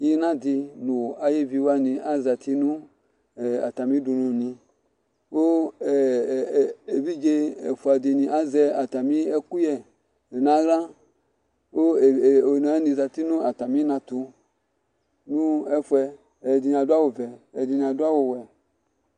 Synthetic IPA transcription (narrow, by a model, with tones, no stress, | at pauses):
ji˦nã˦di˧nu˨a˨je˦vi˧wa˦nĩ˧ʔa˦za˨ti˦nũ˦˨ | a̰˨ta˨mĩ˦du˧nũ˧˨nĩ˧ | wo˦˨ | e˨vi˦d͡ʒe˧ɛ̰˨fu˨a˨di˧nĩ˧ʔa˦zɛ˧a˨ta˨mĩ˦ɛ˦ku˦jɛ˨ | e˨nã˦lã˦ | o˦˨o˨n˨˦ni˧˨za˨ti˦nũ˦a˨ta˨mĩ˦nã˧t̪u˧ | nũ˦ɛ˧fu˧ɛ˧ | ɛ˨di˧n˧˨a˨da˦wo˨vɛ˨ɛ˨di˧ni˧a˨du˦a˦wo˧wɛ˨